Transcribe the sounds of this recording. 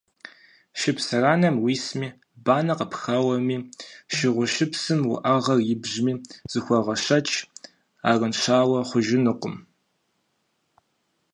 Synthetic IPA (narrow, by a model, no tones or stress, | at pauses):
ʃɪpsɐraːnɐmwiːsmiː | baːnɐqəpxɐwɐmiːʃɪʁʷʊʃɪpsɨmwʊ̰ʔɐʁɐrjɪbʑmiːz̥ɨxʷɔʁɐɕɐt͡ʃʰʼ | a̰ːrənʃaːwɐχʷʊʒɪnɨqʷʊm